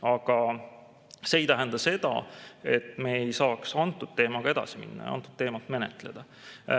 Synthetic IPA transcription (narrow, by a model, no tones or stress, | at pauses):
ɑɡ̥ɑ | se̞ːjt̪æɦænd̪̥ɑse̞d̪̥ɑ̰e̞t̪ːˑme̞ːejsɑːksɑnt̪ːˑud̪̥t̪e̞ːmɑɡ̥ɑe̞d̪̥ɑ̰simḭnːɑ̰j̰ɑ̰ɑ̰nt̪ːˑud̪̥t̪ːe̞ːmɑlt̪me̞nḛt̪ˑle̞̰d̪̥ɑ